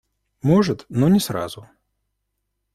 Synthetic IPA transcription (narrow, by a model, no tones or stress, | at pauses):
mɔʐɨt̪nɔnʲɪsɾa̰zʊ